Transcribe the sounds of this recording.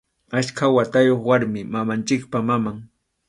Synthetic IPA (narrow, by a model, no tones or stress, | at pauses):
aʃkʰawat̪ajoχwaɾmɪmamant͡ʃɪkpamamaŋ